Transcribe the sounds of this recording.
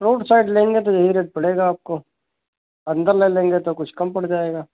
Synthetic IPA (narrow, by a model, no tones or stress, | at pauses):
ɾoːʈsaːɪɖlẽːŋɡet̪̬ojɐɦiɾeːʈ̚pɐɽ̤eːɡaːp̚ko | ɐ̃nd̪əɾleːlẽːŋɡet̪okʊt͡ʃʰkɐmpɐɽd͡ʒaːeːɡaː